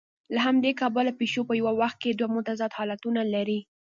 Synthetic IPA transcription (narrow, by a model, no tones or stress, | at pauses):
laɦamd̪ekɑbəlapeʃopəjawawaxt̪̚ked̪wamʊt̪azɑt̪hɑlat̪unalaɾi